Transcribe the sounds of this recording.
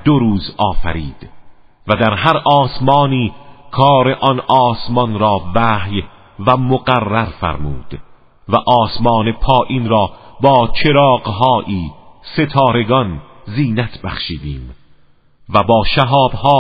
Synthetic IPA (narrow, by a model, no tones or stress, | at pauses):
d̪̥oɾuːzɒːfæ̰ɾiːd̪̥ | væd̪æɾɦæɾɒːsmɒːniːkʰɒːɾe̞ʔɒnʔɒːsmɒnɾɒːvæːhj | væmoɡærːæɾfæ̰ɾmuːd̪̥ | væʔɒːsmɒːne̞pʰɒːʔiːnɾɒːbɒːt͡ʃʰe̞ɾɒːɢɦɒːʔiːse̞t̪ʰɒːɾe̞ɡɒn | ziːnæt̪ʰbæχʃiːd̪iːm | væbɒːʃæɦɒːbhɒː